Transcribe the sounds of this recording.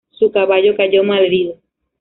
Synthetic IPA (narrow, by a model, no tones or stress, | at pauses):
sukaβaʎo̞kaʝo̞malðiðo